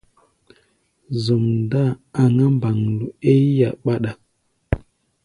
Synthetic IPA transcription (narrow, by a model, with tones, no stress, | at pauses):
zo˨mnda˦˨a˨ŋa˦m˦ba˨ŋlu˨e˦ja˨ɓa˦ɗa˨